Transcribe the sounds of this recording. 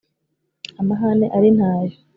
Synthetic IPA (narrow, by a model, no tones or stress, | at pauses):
amaɦaneʔaɾin̥haːjo